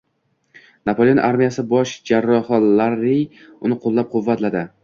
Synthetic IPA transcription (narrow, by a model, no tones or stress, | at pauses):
napʰolʲeonʔaɾmijasɪbɒʃd͡ʒaɾːɒhɒlaɾij | ʊnɪqʰolˠːap̚qʰʊvːat̪lad̪ɪ